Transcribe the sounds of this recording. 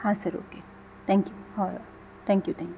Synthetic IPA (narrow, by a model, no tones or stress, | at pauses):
hãːsɐɾo̰ːke | t̪ʰɛ̃ːŋkjuhɔ | t̪ʰɛ̃ːŋkjut̪ʰɛ̃ːŋk